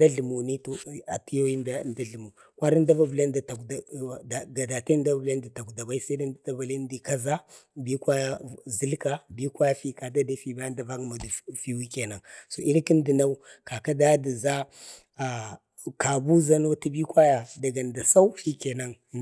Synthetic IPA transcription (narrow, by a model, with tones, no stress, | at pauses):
da˦ɮu˨mu˨ni˦to˨a˨ti˦jo˦ji˦ndnda˦ɮi˨mu˨ | kʷa˦ɾi˦n˦da˦va˦bu˨la˦nda˨ta˨kda˨da˨ɡa˨da˨ta˦nda˦vbla˦nda˨ta˨kda˨ba˦i˦sa˦da˦n˦dda˦ba˨le˦n˦di˨ka˦za˦bi˦kwa˦ja˦zi˦lka˦bi˦kwa˦ja˦fi˦ka˨da˦da˨fi˨ba˦a˦nda˨va˦ŋ˨ma˨du˨fi˨wi˦ke˨na˨ŋso˨i˦ɾki˦n˦di˨na˦u˦ka˨ka˦da˦di˨za˦ | a˨ | ka˨bu˦za˦no˦ti˦bi˦kwa˦ja˨da˨ɡa˨n˨da˨sa˦u˦fi˦ke˨na˦ŋ˨